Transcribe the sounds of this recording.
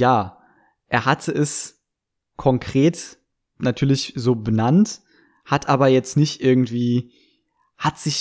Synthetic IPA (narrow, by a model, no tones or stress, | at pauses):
jaː | ʔeːɐɦatʰəʔɛs | kʰɔŋkʁ̥eːt | natʰyːɐlɪçzoːbənant | hatʔaːbɐjɛt͡stnɪçtʔɪɐɡŋ̩tv̥iː | hatz̥ɪç